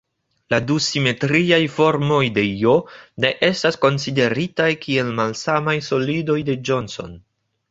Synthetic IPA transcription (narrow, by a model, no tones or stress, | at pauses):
ladusime̞tɾiajfo̞ɾmo̞jde̞jone̞ʔe̞stasko̞nside̞ɾitajkʰie̞lmalsamajso̞lido̞jde̞d͡ʒo̞nso̞̰n